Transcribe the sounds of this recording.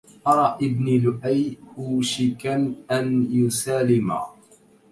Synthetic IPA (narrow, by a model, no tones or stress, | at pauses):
ʔɑɾˤɑːʔɪbnilʊʔajhuːʃɪkanʔanjʊsaːlɪma̰